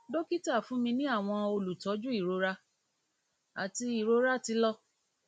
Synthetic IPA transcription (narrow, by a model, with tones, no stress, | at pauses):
do˦ki˦ta˦˨fũ˨˦mĩ˧nĩ˦a˦˨w̃ɔ̃˧o˧lu˨tɔ˨˦d͡ʒu˦i˦˨ɾo˨˦ɾa˦ | a˨ti˧i˨ɾo˦ɾa˦ti˧lɔ˦